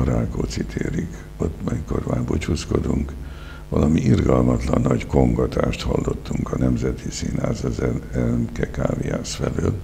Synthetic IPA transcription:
ɾaːkoːt̪sit̪ʰeːɾik | o̞t̪ːɒmiko̞rmaːrbot͡ʃuːsko̞d̪uŋk | ʋɒlɒmiʔirɡɒlmɒt̪lɒnːɒɟko̞ŋɡɒt̪ʰaːʃt̪hɒlːo̞t̪ːuŋkɒnɛmzɛt̪isinhaːzɛzɛmkɛkaːviaːsfɛløːl

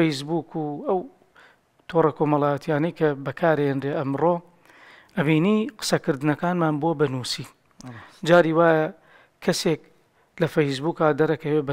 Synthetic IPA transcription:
ejsbuːkuɐw | t̪ʰorɐkoːmɐlˠaːjɐt̪ʰijaːnɐjkʰɐbɐkʰaːɾheːndrɾeːʔɐmroː | ʔɐbiːniːqɨ̥sɐkɨɾd̪ɨnɐkaːnmaːnbuɐbɐnuːsiː | d͡ʒaːɾiːwaːjɐ | kʰːɐsek | lɐfɐjs̬buːkaːd̪ɐɾɐkɐweːbɐ

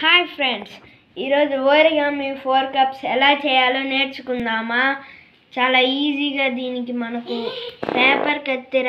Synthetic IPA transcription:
haːjpʰɾẽɳɖs | iɾoːd͡ʒʋoːɾeɡãːmẽfʰoːɾkɐpselaːt͡ʃʰejaloneːʈskũnd̪aːmã | t͡ʃaːlaiːziːkad̪iːnkimɐnɐkopɛːpəɾkɐt̪eɾ

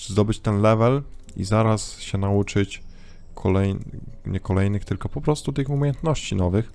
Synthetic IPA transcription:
zd̪ɔbɘt͡ɕt̪ɛnlɛvɛlḭzaɾasɕɛnaut͡ʂɘt͡ɕ | kʰɔlɛjɲɛkɔlɛjnɘxt̪ɘlkɔpɔpɾɔst̪ut̪ɘxumʲejɛnt̪nɔɕt͡ɕinɔvɘx

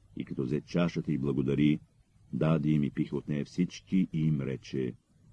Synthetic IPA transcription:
ḭkɐt̪ɔzɛtt͡ʃaʃət̪ɐiblˠɐɡod̪ɐɾi | d̪ad̪iimipixot̪nɛjɐfsit͡ʃkiʔiimɾɛt͡ʃɛ

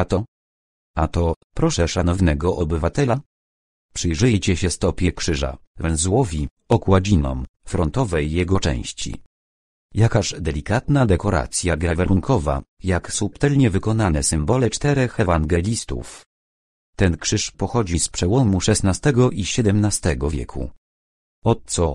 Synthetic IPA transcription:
at̪ɔ | at̪ɔpɾɔʂɛʂanɔvnɛɡɔʔɔbɘvat̪ɛla | pʂɘjʐɘjt͡ɕɛɕɛst̪ɔpʲjɛkʂɘʐa̰ | vɛnzwɔvʲi | ɔkwad͡ʑinɔ̰mfɾɔnt̪ɔvɛjːɛɡɔt͡ʂɛ̰̃w̃ɕt͡ɕḭ | jakaɕd̪ɛlʲikat̪nad̪ɛkɔɾa̰t̪sʲjaɡɛavaɾuŋkʰɔva̰jaksupt̪ɛlɲɛvɘkɔnanɛsɘmbɔlɛt͡ʂt̪ɛɾɛxɛvaŋɡɛlʲist̪ṵf | t̪ɛnkʂɘʂpɔxɔd͡ʑispʂɛwɔmuʂɛst̪nast̪ɛɡɔʔiɕɛd̪ɛmnast̪ɛɡɔvʲjɛ̰kʰṵ | ɔt̪sɔ

